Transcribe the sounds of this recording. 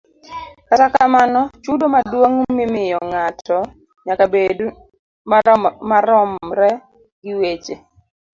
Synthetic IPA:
katakamanɔt͡ʃudomadwoŋmɪmɪjɔŋatɔ | ɲakabed | mamaɾɔmɾɛ | ɡɪwet͡ʃe

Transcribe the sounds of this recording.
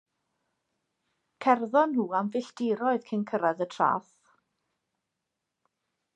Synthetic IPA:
kʰɛrðɔnhuːamvɪɬd̥ɪɾɔɨð̥kʰɪnkʰəɾaðətʰra̰ːθ

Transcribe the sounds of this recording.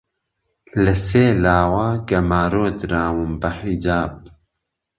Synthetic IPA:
lɨseːlaːwaːɡɐmaːɾoːd̪ɾaːwɨmbɐħid͡ʒaːb̚

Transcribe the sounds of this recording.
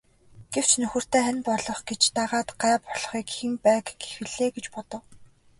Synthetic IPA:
ɡ̥ew̥t͡ɕnɵxɵ̆r̥t̪eːænpɔɮɞ̆χɡet͡ɕt̪aʁaːt̪ɢæːpɔɮ̥χiːkximpæːkɡe̥xɘ̆ɮeːɡet͡ɕpɔt̪ɞ̆w

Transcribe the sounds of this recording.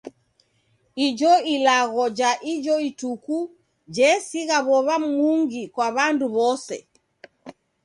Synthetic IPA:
id͡ʒɔilaɣɔd͡ʒaʔid͡ʒɔituku | d͡ʒɛsiɣaβɔβam̩uŋɡikwaβanduβɔsɛ̰

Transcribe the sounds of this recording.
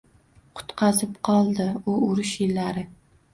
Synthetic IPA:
qʰʊ̥t̪qʰɑzɪpqʰɒlˠd̪ɪʊʊɾʊʃjɪlːaɾɪ

